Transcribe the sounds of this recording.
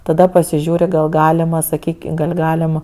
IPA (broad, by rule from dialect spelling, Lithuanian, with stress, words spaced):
tɐˈdɐ pɐsʲɪˈʒʲuːrʲɪ ɡɐlˠ ˈɡɑːlʲɪmɐ sɐˈkʲiːkʲɪ ɡɐlʲ ˈɡɑːlʲɪm